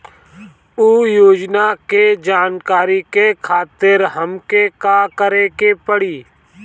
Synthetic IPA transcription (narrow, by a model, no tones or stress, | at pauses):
uːjoːd͡ʒnaked͡ʒaːnkaːɾikekʰaːt̪ɪɾɦəmkekaːkəɾekepəɽiː